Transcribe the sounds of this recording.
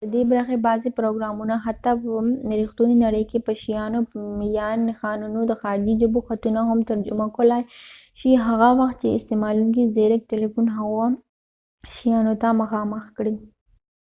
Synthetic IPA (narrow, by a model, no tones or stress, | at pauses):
d̪əd̪ebɾaxebɑzepɾoɡɾɑmunaɦat̪ːapəɾixt̪uninaɽəjkepəʃijɑnomjɑnxɑːnunod̪əxɑɾd͡ʒid͡ʒʊboxat̪unaɦamt̪aɾd͡ʒʊmakolaj | ʃiɦaɣawaxt̪̚t͡ʃeɪst̪emɑluŋkizeɾɪk̚ʈelefunɦaɣa | ʃijɑnot̪aməxɑməxkɽi